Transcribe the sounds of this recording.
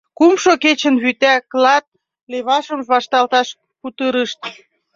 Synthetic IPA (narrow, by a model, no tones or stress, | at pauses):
kumʃoket͡ɕə̆nβyt̪æklɑt̪̚ | leβɑʃəmβɑʃt̪ɑlt̪ɑʃ | put̪əɾəʃt̪̚